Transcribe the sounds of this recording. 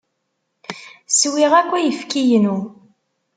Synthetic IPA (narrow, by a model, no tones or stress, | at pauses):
swiʁækʷːæjəfkijənu